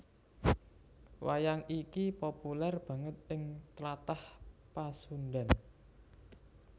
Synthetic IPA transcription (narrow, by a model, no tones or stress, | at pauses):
wa̰jaŋikipopulɛrb̥a̤ŋət̪̚ɪŋt̪lat̪ahpasunɖa̤n